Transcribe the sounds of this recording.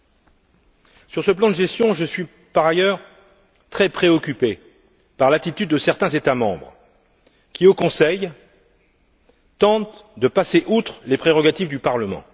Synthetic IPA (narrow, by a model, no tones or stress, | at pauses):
syʁsəplɑ̃d̪əʒɛst̪jɔ̃ʒəsɥi | paʁajœʁ | t̪χɛpχeɔkʲype | paʁlat̪it̪yd̪ːəsɛʁt̪ɛ̃zet̪amɑ̃bʁ | kʲiokɔ̃sɛj | t̪ɑ̃t̪d̪əpaseʔut̪χlepχeʁɔɡat̪ivd̪ypaʁləmɑ̰̃